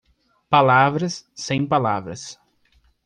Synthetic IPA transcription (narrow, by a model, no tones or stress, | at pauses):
palavɾɐsːẽj̃palavɾɐ̰s